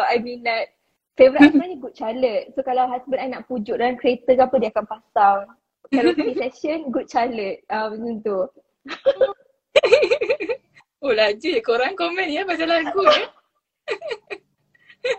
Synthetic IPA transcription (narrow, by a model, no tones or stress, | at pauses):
ajmĩnːat̚ | fevɾitasmə̃niɡut̚t͡ʃalət̪̚sokalawɦasbə̃najnaʔpud͡ʒuʔdaankɾet̪əkapədiakanpasaŋ | kalawtuniɛsənɡut̪̚t͡ʃalət̪̚amsunt̪u | olad͡ʒikoɾaŋkomɛ̃njabad͡ʒalaɡuə